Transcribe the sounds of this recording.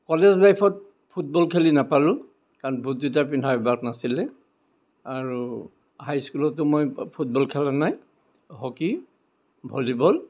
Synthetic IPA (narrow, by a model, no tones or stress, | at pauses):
kɔlɛzlajpʰɔt̚ | pʰut̚bɔlkʰelinapalʊ̃ | kaɹnbʱudit̬apindʰaibaknasilɛ | aɹu | hajskulɔtːʊmojpʰut̚bɔlkʰɛlanaj | ɦɔki | bʱolibɔl